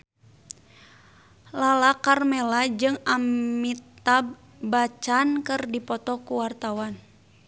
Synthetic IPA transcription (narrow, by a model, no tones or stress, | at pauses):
lalakarmɛlad͡ʒɨŋamit̪a | bat͡ʃankɨrdipɔt̪ɔkuwart̪awan